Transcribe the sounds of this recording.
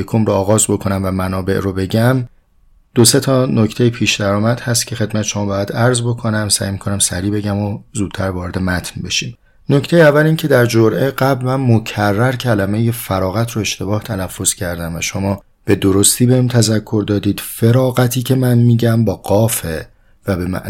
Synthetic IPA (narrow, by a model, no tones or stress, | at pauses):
jekʰomɾoɒːɣɒːzbo̞kʰo̞næmvæmænɒːbe̞̰ʔɾobe̞ɟæm | d̪̥ose̞t̪ʰɒːnoct̪ʰejepʰiːʃd̪æɾɒːmæd̪̥hæst̪cʲʰe̞xe̞d̪mæt̪ʰeʃo̞mɒːbɒːjæd̪æɾzbo̞kʰo̞næmsæ̰ːjmiːkʰo̞næmsæɾiːbe̞ɟæmozuːd̪̥̚tʰæɾvɒːɾe̞d̪e̞mæt̪ʰnbe̞ʃiːm | noct̪e̞jeævːæliːncʰe̞d̪æɾd͡ʒoɾʔeɢæblmænmocʰærːæɾcʰælæme̞jefæɾɒːɣæt̪ʰɾoe̞ʃt̪e̞bɒːht̪ʰælæfːo̞z̥cʰæɾd̪æmvæ̰ʃomɒː | b̥e̞d̪oɾost̪ʰiːbeimt̪ʰæzækʰːo̞ɾd̪ɒːd̪iːd̪̥fe̞ɾɒːɣæt̪ʰiːcʰe̞mænmiːɟæmbɒːɡɒːfe | væbe̞mæ̰